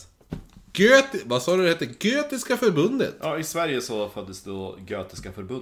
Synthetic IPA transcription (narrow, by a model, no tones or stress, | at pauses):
ɡ̥øːt̪ɪvasɑːd̪ɵd̪ɛheːt̪ːəɡøːt̪ɪskafœɾbɵnd̪ə̰t̪ʔɑːɪsvæɾjəsɔfœd̪ːəsd̪ɛɔɡøːt̪ɪskafœɾbɵ